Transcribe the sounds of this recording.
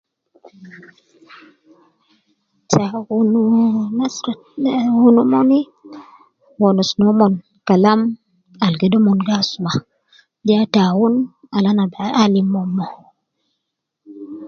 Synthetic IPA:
tawununas | wunumoni | wɔnusnɔmɔn | kalam | alɡedɔmɔnɡasuma | diatawun | alanabaalimːɔmːɔ

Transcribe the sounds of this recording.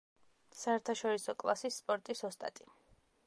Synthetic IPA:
saɛɾt̪ʰaʃɔɾisɔkʼlˠa̰sisːpʼɔɾt̪ʼisɔst̪ʼa̰t̪ʼi

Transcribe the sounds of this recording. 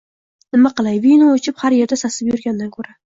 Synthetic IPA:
nɪmaqɨlˠajvinoot͡ʃʰɪphaɾje̞ɾd̪asasɪpjʊɾɡʲand̪ankʲʰɵɾa

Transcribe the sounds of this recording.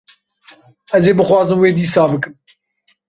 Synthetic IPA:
ɛzeːbɨxwɑːzɨmweːd̪iːsɑːbɨkɨm

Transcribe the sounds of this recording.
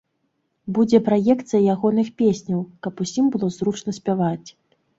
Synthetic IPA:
bud͡zʲɛpɾajɛkt̪sɨjɐjaɣɔnɨxpʲesʲnʲɐwkɐpusʲimbɨlˠɔzɾut͡ʂnɐsʲpʲavat͡sʲ

